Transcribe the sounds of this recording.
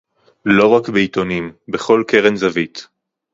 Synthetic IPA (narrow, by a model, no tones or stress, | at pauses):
lo̞ʁakbeit̪o̞nimbeχo̞lke̞ʁenzavit̪